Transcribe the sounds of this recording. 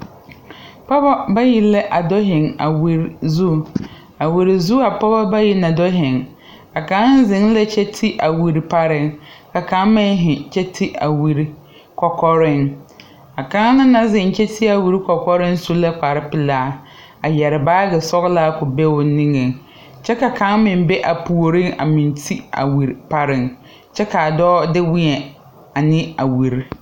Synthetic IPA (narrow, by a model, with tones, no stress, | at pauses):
pɔ˦ba˦ba˦ji˨lɛ˦ʔa˨dɔ˦ɦɪ˨ŋa̰˨wi˨ɾzu˦˨ | a˨wi˨ɾi˨zu˦a˨pɔ˦ba˦ba˦ji˨na˨dɔ˦ɦɪ˨ŋ | ka˨kã˨˦n˦zɪ˨˦ŋlɛ˦t͡ʃɛ˦tʰi˦ʔa˨wi˨ɾi˨pa˦ɾɪ˦ŋka˨ka˨˦mɪ˦ɦɪ˨t͡ʃɛ˦tʰi˦a̰˨wi˨ɾi˨ | kɔ˨kɔ˦ɾɪ˦˨ŋ | a˨kã˦ŋ˦na˦na˦zɪ˨n˦t͡ʃɛ˦tʰi˦a˨wi˨ɾi˦kɔ˨kɔ˦ɾɪ˦n˦so˦la˦k͡pa˨ɾɪ˦pɪ˨laː˦ | a˨jɛ˨ɾɪ˨baː˦ɡɛ˨sɔ˦ɣlaː˦kʊ˨be˦wʊ˨˦nĩ˦ŋe˨ŋ | t͡ʃɛ˦ka˨ka˦ŋmɪ̃˨n˦be˦ʔa˨pu˨o˨ɾɪ̃˦ŋa̰˨mɪ̃˨ntʰi˦a̰˨wi˨ɾpa˦ɾɪ˨ŋ | t͡ʃɛ˦ka˨a˨dɔː˦dɪ˦wɪ˦ɛ˨ | a˨nɪ˦a˨wi˨ɾi˦